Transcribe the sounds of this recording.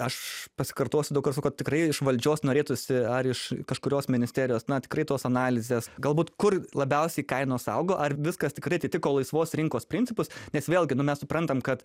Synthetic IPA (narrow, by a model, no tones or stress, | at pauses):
ɐʃpɐsʲɪ̥kɐrt̪oːsʲʊd̪ɐʊkɐrsɑkotʲɪkɾɐɪɪʃʋɐlʲd͡ʒʲoːsnoːɾʲeːt̪ʊsʲɪɐɾɪʃkɐʃkʊɾʲoːsmʲɪnʲɪsʲt̪ʲæːɾʲɪjoːsnɐt̪ʲɪ̥kɾɐɪt̪oːsɐnɑːlʲɪzʲeːsɡɐlˠbuːt̪kʊrlˠɐbʲɛʊsʲɛɪkɐɪnoːsɐ̰ʊɡoːʔɐrʋʲɪskɐst̪ʲɪkɾrɐɪɐtʲiɪt̪ʲɪkoːlˠɐɪsʋoːsɾʲɪŋkoːspʲɾʲɪnʲtt͡sʲɪpʊsnʲɛsʋʲeːlˠʲɡʲɪnʊmʲɛssʊpɾɐnt̪ɐmkɐt̪